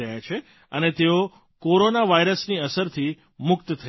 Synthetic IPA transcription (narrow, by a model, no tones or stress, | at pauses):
əjat͡ʃʰe | ənet̪eo | koɾonaʋaiɾəsniəsəɾt̪ʰi | mʊkt̪t̪ʰə